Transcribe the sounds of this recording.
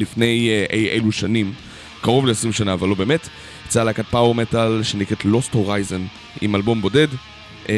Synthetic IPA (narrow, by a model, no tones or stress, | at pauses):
lifne̞jʔejʔeluʃanim | kaʁo̞vleesʁimʃanaːvalːo̞be̞ːmet | t͡salakat̚pawoʁmetalʃenikʁetlo̞stho̞ʁajzo̞n | ḭmalbo̞mbo̞de̞d